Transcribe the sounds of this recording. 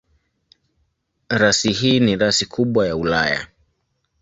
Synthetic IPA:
ɾasiɦiːniɾasikʰuɓwajaulaja̰

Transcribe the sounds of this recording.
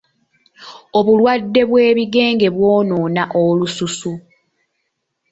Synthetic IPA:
o̞βulwadːe̞βwe̞ːβiɡe̞ːŋɡe̞βwoːnoːnaʔolususu

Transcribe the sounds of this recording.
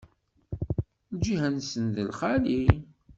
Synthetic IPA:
ld͡ʒihænsənðəlχali

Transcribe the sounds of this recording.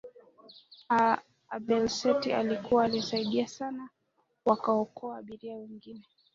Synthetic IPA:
a | ɓɛlsɛtialikuwaːlisaiɗiasana | wakaɔkɔaːɓiɾiawɛŋɡinɛ

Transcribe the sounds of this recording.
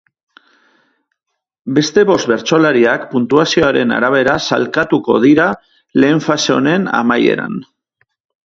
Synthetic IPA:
be̞st̪e̞βo̞st̪βe̞ɾt͡so̞laɾiakpunt̪uasio̞aɾe̞na̰ɾaβ̞e̞ɾasa̰lkat̪uko̞̰ðiɾa | le̞ːɱfase̞o̞̰ne̞na̰maje̞̰ɾa̰n

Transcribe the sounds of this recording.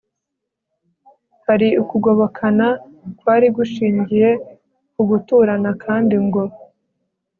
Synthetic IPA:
haɾiukuɡo̞βo̞kʰanakwaːɾiɡuʃiːɲɟije̞ | kuɡutuɾanakʰaːndiŋɡo̞

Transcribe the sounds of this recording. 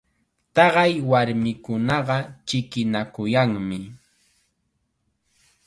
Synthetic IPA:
t̪ɑɢɑjwaɾmɪkʊnɑɢɑt͡ʃɪkɪnakʊjaŋmɪ

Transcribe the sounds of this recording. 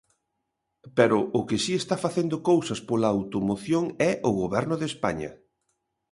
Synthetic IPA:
peɾʊʔːkɪsiest̪afaθend̪ʊkowsɐspolaːwt̪omoθjoŋɛʔʊɣoβɛɾnʊðespa̰ɲɐ̰

